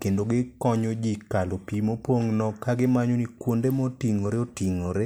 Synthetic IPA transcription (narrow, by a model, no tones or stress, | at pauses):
kendoɡɪkɔɲod͡ʒikalopimopoŋnɔkaɡɪmaɲonikwondemɔtiŋoɾeotiŋoɾe